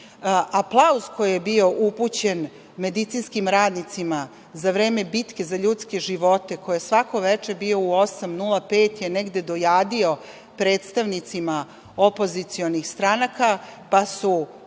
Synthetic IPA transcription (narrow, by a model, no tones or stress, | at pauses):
ʔaplˠauzko̞jijebio̞ʔuput͡ɕe̞n | me̞d̪it̪sinskimɾaːd̪nit̪sima | zaʋɾe̞ːmebit̪ke̞zaʎut̪ske̞ʒiʋo̞t̪e̞ko̞jjesʋako̞ʋet͡ʃe̞bio̞uo̞samnulˠape̞ːt̪jeneɡd̪e̞d̪o̞jaːd̪io̞ | pɾe̞ːt̪st̪aʋnit̪sima | opo̞zit̪sio̞nixst̪ɾanakapasu